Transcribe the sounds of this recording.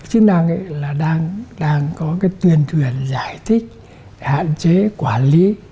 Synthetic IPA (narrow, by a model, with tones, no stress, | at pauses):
t͡ɕɨ˦˥k̚na˧˩ŋʔə̰˧˨laː˨˩ɗaː˧ŋɗaː˧ŋkɔ˨˦kaː˨˦jt̪wi˨˩ənt̪ʰwi˧˩ənzaː˧˩jt̪ʰï˦˥k̚ | ha̰ː˧˨nt͡ɕe˨˦kwaː˧˩nli˨˦